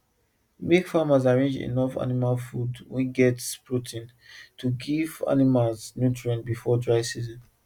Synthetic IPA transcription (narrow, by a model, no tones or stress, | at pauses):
mekfamazaɹẽnd͡ʒḭnɔfa̰nimalfudwɛ̃nɡɛtspʰɹotʰĩn | tʰuɡiva̰nimalznjutɹiɛ̃ntbifɔdɹaɪsizɔ̃n